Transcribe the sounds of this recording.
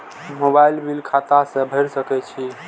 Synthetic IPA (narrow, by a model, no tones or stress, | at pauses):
mobajlbilkʰat̪asə̃bʱəɾsəkɛt͡ʃʰi